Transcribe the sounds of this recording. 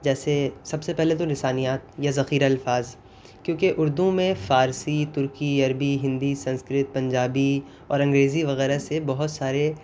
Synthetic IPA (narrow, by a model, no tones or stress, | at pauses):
d͡ʒɛːsesɐbsepɛɦlet̪onɪsaːnijaːt̪̚jazɐxiːɾaɐlfaːz | kjõːkeʔʊɾd̪ũmẽfaːɾsit̪ʊɾkiɐɾbiɦɪ̃nd̪isɐ̃nskɾɪt̪̚pɐ̃ɲd͡ʒaːbi | ɔːɾɐ̃ŋɡɾeːziʋɐɣɛːɾasebɐɦʊt̪saːɾe